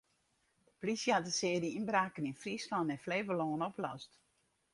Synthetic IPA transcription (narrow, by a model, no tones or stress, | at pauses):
plisjəhatdəsɪːəɾiinbraːkəninfrislɔntɛnfleːvəlɔːnoplɔ̰st